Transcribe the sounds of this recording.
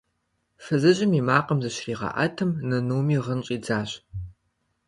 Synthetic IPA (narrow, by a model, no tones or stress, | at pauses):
fɨzɨʑʼɪmiːmaːqɐmzɨɕriːʁɐ̰ʔɐ̰tʰɨmnɐnuːmiːʁənɕʼiːd͡zaːɕ